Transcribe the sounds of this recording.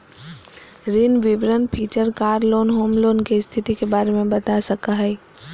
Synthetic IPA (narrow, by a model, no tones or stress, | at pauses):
ɾɪnʋɪʋɾənpʰiːt͡ʃəɾkaːɾloːnɦoːmloːnkest̪ʰɪt̪ikebaːɾemẽbɐt̪asɐkaɦɛː